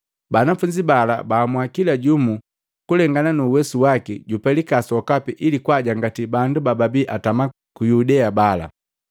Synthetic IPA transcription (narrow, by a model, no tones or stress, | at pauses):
banafuɲd͡ʒibala̰baːmwakilaɟumu | kulɛŋɡananuːwɛsuwakiɟupɛlikasɔkapiʔilikwaɟaŋɡatibandubababiʔatama | kujudɛabala̰